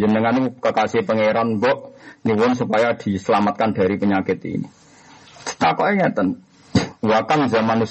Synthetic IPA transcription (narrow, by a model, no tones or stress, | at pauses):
d͡ʒənəŋanikəkasɪhpəŋeɾanbɔʔniwʊnsupajad̪̥i̤səlamat̪̚kand̥a̤ɾipəɲakɪt̪ḭnḭ | t͡ʃə̥t̪akɔʔeŋɛt̪ən | wakanzamanus